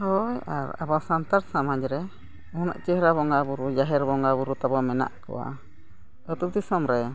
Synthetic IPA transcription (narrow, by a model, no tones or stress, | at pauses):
hɔja̰ɾa̰basant̪aɾsamaɲd͡ʒɾɛ | ɔna̰ʔt͡ʃɛhɾaβɔŋɡabuɾud͡ʒaɦɛɾbɔŋɡabuɾut̪abɔmɛna̰ʔkɔ̰wa̰ | ɔt̪ud̪isɔmɾɛ